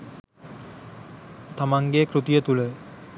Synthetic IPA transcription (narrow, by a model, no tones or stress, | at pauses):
t̪amaŋɡekɾut̪ijət̪ulə